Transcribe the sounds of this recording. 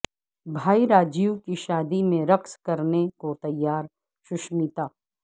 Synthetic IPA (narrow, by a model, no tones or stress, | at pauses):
bʱaːiɾaːd͡ʒijukiʃaːd̪imẽɾɐkskɐɾnekot̪ɐjːaːɾ | ʃʊʃmiːt̪aː